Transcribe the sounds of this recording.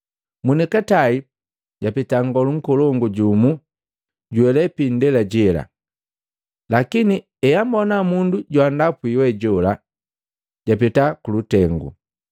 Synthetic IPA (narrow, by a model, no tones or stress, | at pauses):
munikatai | ɟ̥apitaŋɡɔluŋ̩kɔlɔŋɡuɟumu | ɟuɛlɛpindɛlaɟɛla̰ | lakini | ɛjambɔnamunduɟwandapuiwɛɟɔla | ɟapitakulutɛŋɡṵ